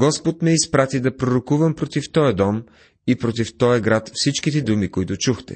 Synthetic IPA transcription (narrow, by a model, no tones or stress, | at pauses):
ɡɔspot̪mɛispɾat̪id̪ɐpɾoɾokuvəmpɾot̪ift̪ɔjɐd̪ɔm | ipɾot̪ift̪ɔjɐɡɾat̪fsit͡ʃkit̪ɛd̪umikoit̪ʊt͡ʃuxt̪ɛ̰